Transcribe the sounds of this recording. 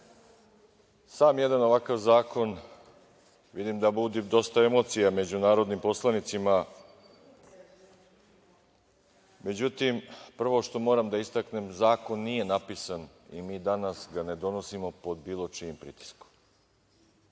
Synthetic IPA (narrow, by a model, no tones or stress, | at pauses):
saːmjed̪ano̞ʋakaʋzaːko̞n | ʋid̪imd̪abud̪id̪o̞st̪ae̞mo̞t̪sijame̞d͡ʑunaːɾo̞d̪nimpo̞slˠanit̪sima | me̞d͡ʑut̪impr̩ʋo̞ʃt̪o̞mo̞ːɾamd̪aist̪akne̞mzaːko̞nːije̞napisan | ḭmiːd̪anasɡane̞d̪o̞no̞simo̞po̞d̪biːlˠo̞t͡ʃiimpɾiːt̪i̥sko̥m